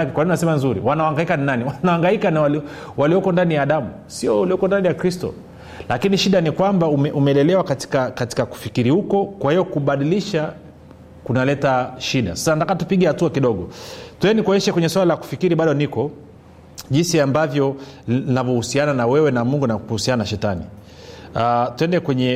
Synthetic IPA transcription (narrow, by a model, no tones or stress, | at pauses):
kɛkwaninunasɛmanzuɾḭwanawaŋɡaikaninaniwanawaŋɡaikaniwali | waliɔkɔndanijaːɗamu | siɔaliɔkɔndanijakɾistɔ̰ | lakiniʃiɗanikwambaumɛʔumɛlɛlɛwakati̥kakati̥kaku̥fikiɾihukɔkwahijɔkuɓaɗiliʃa | kunalɛtaʃiɗa̰sḁsanatakatupiɠɛhatuakiɗɔɠɔtuɛnikɔɲɛʃɛkwɛɲɛswalalaku̥fikiɾiɓaɗɔnikɔ | ʄinsiambavjɔninavɔhusiananawɛwɛnamuŋɡunakuhusiananaʃɛtanḭ | atuɛndɛkwɛɲɛ